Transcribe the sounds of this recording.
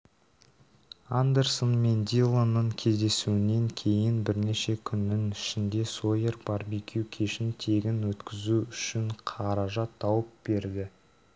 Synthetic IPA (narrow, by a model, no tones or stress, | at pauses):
and̪e̞rsonme̞nd̪ilˠonːəɴkʲʰe̞zd̪e̞suɪne̞ŋkʲʰe̞jɪnbɪɾne̞ʃe̞kʲʰʏnːɪŋɪʃɪnd̪e̞sojeɾbɑɾbikʲʰuwkʲʰe̞ʃɪnt̪ʰe̞ɡʲɪnwɵt̪kʲɪzuʏʃɪɴqʰɑɾɑʒɑt̪ʰːɑwəp̚b̥e̞ɾd̪ɪ